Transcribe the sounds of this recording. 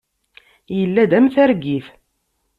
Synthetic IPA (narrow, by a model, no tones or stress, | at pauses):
jəlːæd̪æmθæɾɡiθ